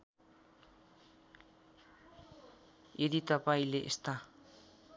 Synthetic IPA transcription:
jed̪it̪ʌpaĩleʔest̪a

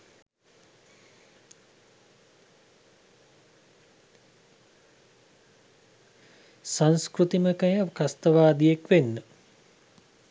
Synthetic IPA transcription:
sanskrut̪iməkəjəkast̪əʋaːd̪ijekʋenːə

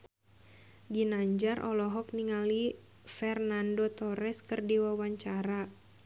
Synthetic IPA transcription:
dinaɲd͡ʒarʔɔlɔɦɔk̚niŋali | fɛrnandot̪ɔɾɛskɨrdiwawaɲt͡ʃaɾa

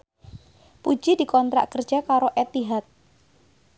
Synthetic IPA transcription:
pu̥d͡ʒidikɔnt̪ɾa̰ʔkərd̥d͡ʒakaɾoʔet̪iɦat̪̚

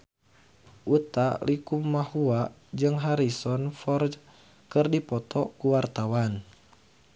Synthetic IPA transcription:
ʔut̪alikumːahua | d͡ʒɨŋɦaɾisɔnfɔrd͡ʒ | kɨrdipɔt̪ɔkuwart̪awan

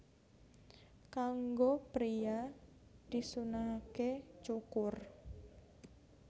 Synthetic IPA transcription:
kaŋɡopɾiad̪̥i̤sunaket͡ʃukʊr

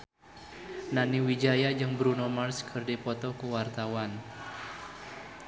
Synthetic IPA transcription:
naniwid͡ʒajad͡ʒɨŋbɾunɔmarskʰərdipɔt̪ɔkuwart̪awan

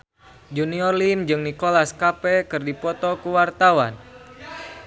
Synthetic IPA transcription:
d͡ʒuniɔrlimd͡ʒɨŋnikolaskapɛkɨrdipɔt̪ɔkuwart̪awan

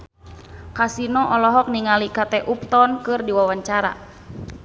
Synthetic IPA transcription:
kasinɔʔɔlɔɦɔk̚niŋalikat̪ɛʔup̚t̪ɔnkɨrdiwawaɲt͡ʃaɾa̰

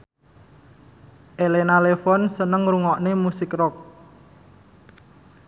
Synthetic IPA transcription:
ʔelenalefɔnsənəŋɾuŋɔʔnemusɪkrɔk̚

